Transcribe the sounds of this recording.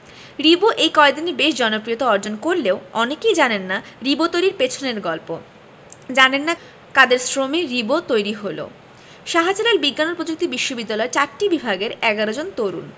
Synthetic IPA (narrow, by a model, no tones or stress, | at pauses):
ɾiboʔejkɔed̪inibeʃd͡ʑɔnopɾiot̪aɔɾd͡ʑonkoɾleoɔnekejd͡ʑanenːaɾibot̪ojɾiɾpet͡ɕʰoneɾɡɔlpo | d͡ʑanenːa | kad̪eɾsɾomeɾibot̪ojɾiɦolo̰ | ʃaɦat͡ɕalalbiɡːanoɾpɾod͡ʑok̚t̪ibiʃːobid̪ːalɔeɾt͡ɕaɾʈibibʱaɡeɾɛɡaɾod͡ʑont̪oɾṵn